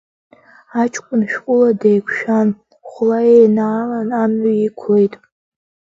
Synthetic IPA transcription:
at͡ʃʰʼkʷʼʊnʃᶣkʷʼʊladejkʷʰʃᶣan | χʷlaejnaːlanamʕiikʷʰlejtʼ

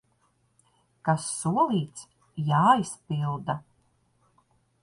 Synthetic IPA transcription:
kasːuɔlˠiːt̪s | jaːispilˠd̪a

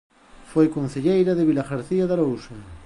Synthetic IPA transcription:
fojkon̟θeʎejɾɐðeβilaɣaɾθiaðaɾowsɐ

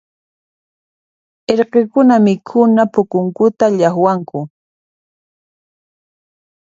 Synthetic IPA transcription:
eɾqekʊnamɪkʰʊnapʊkʊŋkʊt̪aʎaχwaŋkʊ

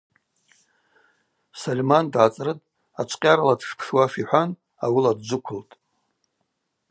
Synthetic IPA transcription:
solʲmandʕat͡sʼrɨtʼ | at͡ʃʷʰʼqʲʼaɾaladʂpʰʂwafiħʷan | awiladd͡ʒʷʊkʷʰʊltʼ

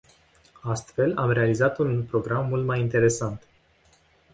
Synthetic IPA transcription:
ast̪fe̞lamre̞alizat̪unpɾo̞ɡɾamːult̪majint̪e̞ɾe̞sant̪

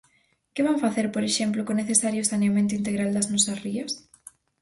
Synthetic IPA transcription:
kɪβaŋfaθeɾpoɾeʃemplʊkoneθesaɾjʊsanjamẽnt̪ʊint̪eɣɾald̪ɐznɔsɐsriɐs

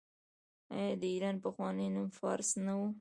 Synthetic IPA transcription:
ɑ̰jɑd̪əiɾɑnpəxwɑnəjnumfɑɾsnawu

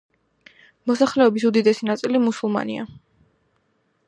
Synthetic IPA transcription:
mɔsaχlɛɔbisud̪id̪ɛsinat̪sʼilimusulˠma̰nḭa̰

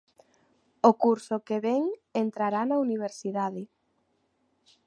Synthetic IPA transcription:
okuɾsʊkeβɛŋent̪ɾaɾanɐuniβ̞eɾsiðaðɪ

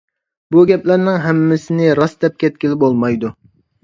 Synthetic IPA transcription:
buɡʲɛplæɾnɪŋɦɛmːɪsɪnɪɾɑsd̪ɛp̚kʲɛt̪̚kʲilɪbolˠmɑjd̪u

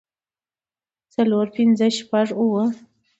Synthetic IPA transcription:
t͡saloɾpɪnzəʃpaʐuwə

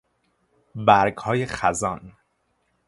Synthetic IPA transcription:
bæɾɡhɒːje̞χæzɒːn

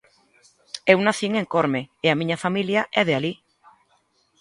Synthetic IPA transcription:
ewnaθiŋeŋkoɾmeeamĩɲafamiljaʔɛð̞eali

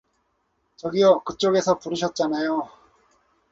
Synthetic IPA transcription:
t͡ɕʌɡiʌkɯt͡ɕ͈oɡe̞sʰʌpuɾɯɕ̬ʰʌt̚t͡ɕ͈anajo

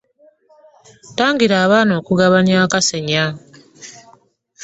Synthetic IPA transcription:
taːŋɡiɾaːβaːno̞ːkuɡaβanjaːkaseɲa

